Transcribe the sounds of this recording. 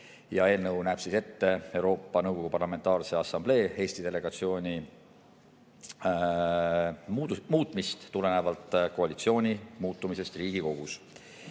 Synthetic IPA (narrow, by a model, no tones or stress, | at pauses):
jɑe̞ːlnɤwnæːb̥sise̞t̪ːe̞e̞wɾo̞ːpːɑnɤwɡ̥ko̞ɡupɑrlɑme̞nt̪ˑɑːrse̞ɑsɑmb̥le̞ːe̞ːst̪id̪e̞le̞ɡ̥ɑt̪sio̞ːnʲi | mːmuːt̪ˑmist̪ːule̞nevɑlt̪ːˑko̞ɑlit̪sio̞ːnʲimuːt̪ˑːumise̞st̪riːɡ̥iko̞ɡ̥us